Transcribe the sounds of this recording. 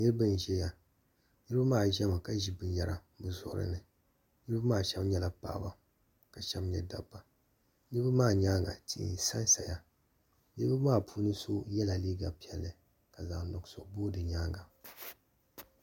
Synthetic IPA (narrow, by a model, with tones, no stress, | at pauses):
nɨ˦ɾɨ˦bɨ˦n˨ʒɛ˦ja˨ | nɨ˦ɾɨ˦bɨ˦maː˦˨ʒɛ˦ma˨ka˦ʒi˦bɨ˨nja˦ɾa̰˨ | bɨ˨zɔ̰˦ʔɾɨ̰˦nɨ˨ | nɨ˦ɾɨ˦bɨ˦maː˦˨ʃɛ˦bɲɛ˦la˨pa̰ː˦˨ba˨ | ka˨ʃɛ˦bɲɛ˨da˨bːa˨ | nɨ˦bɨ˦maː˦˨ɲaː˦ŋɡa̰˨tʰḭ˨nsa˦n˦sa˨ja˨ | nɨ˦bɨ˦maː˦˨pʰuː˦nɨ˦so˦jɛ˦la˨liː˦ɡa˨pi˨˦ɛ˨lːɨ˨ | ka˨za˨nɔ˨ɡsɔ˨boː˦dɨ˨ɲaː˦ŋɡa˨